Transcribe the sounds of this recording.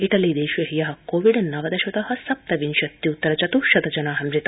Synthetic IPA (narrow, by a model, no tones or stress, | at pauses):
iʈɐliːd̪eːʃʋɐɦijɐɦɐ̆koːʋiɖnɐʋɐd̪ɐʃʋɐt̪ɐɦɐ̆sɐp̚t̪ɐʋinʃɐt̪ːiut̪ːɐɾɐt͡ʃɐt̪uʃɐd̪ɐd͡ʒɐnaːɦɐmɾit̪ɐ